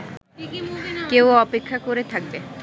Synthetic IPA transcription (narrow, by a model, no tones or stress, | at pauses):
kewɔpekʰːakoɾet̪ʰak̚be